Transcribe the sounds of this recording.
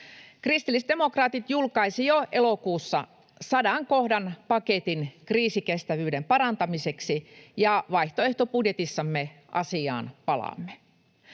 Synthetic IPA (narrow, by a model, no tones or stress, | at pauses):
krist̪ilːisd̪e̞mo̞krɑːt̪it̪julkɑisijoʔelokuːsːɑ̰ | sɑdɑŋko̞hdɑnpɑket̪inkriːsikest̪æʋyːdempɑɾɑnt̪ɑmise̞ksijɑʋɑjht̪oe̞ht̪opudjet̪isːɑmːe | ʔɑ̰siɑ̰ːnpɑlɑ̰mːe